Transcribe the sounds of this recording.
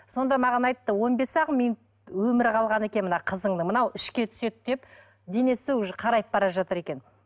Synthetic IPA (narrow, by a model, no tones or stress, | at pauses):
so̞nd̪ɑmɑʁɑnɑjt̪ːəwo̞nbe̞sɑʁəminut̪ | wɵmɪɾqʰɑlˠʁɑne̞kʲenmənɑqʰəzəɴd̪əmənɑwɪʃkʲe̞t̪ʰʏ̥se̞t̪d̪e̞p | d̪e̞ne̞seʒqʰɑɾɑjp̚bɑɾɑʒɑt̪əɾe̞kʲe̞n